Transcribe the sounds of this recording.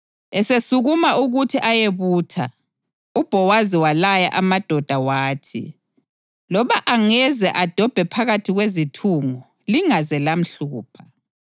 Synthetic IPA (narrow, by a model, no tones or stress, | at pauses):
ɛsesuɣumaʔuɣutʰiʔajeβuːtʰa̰ | ub̥ʱɔwaziwalaja̰ʔamad̥ʱɔd̥ʱawaːtʰḭ | lɔβaʔaŋɛzɛʔad̥ʱɔb̥ʱɛpʰaɣatʰiɣwezitʰuːŋɔ | liŋazɛlam̩ɬuːpʰḁ